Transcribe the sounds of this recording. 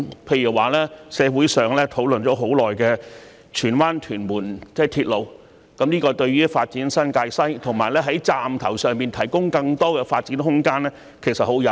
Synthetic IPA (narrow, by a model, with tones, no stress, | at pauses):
pʰe˧jy˨˩waː˨lɛː˥sɛː˨˧wuː˨˥jsœː˨ŋlɛː˥t̪ʰo˨˥wlɵ˨nt͡ʃɔː˨˥ɦo˨˥wlɔː˨jkɛː˧ | t͡ʃʰyː˨˩nwaː˥nt̪ʰyː˨˩nmuː˨˩nt͡sɛː˥˩t̪ʰiː˧t̚lo˨˧w | kɐ˨˥mniː˥kɔː˧t̪ɵ˧ɥyː˥faː˧t̚t͡siː˨˥nsɐ˥nkaː˧jsɐ˥jt̪ʰʊ˨˩ŋmaː˨˩jlɛː˥ɦɐ˨˥jt͡saː˨mt̪ʰɐ˨˩wsœː˨ŋpiː˨˧nt̪ʰɐ˨˩jkʊ˥ŋkɐ˧ŋt̪ɔː˥kɛː˧faː˧t̚t͡siː˨˥nɦʊ˥ŋkaː˥nlɛː˥ | kʰe˨˩sɐ˨t̚ho˨˥wjɐ˨˧